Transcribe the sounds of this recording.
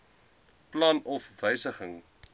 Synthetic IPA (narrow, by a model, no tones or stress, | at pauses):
plɑnɔfvəjsəχəŋ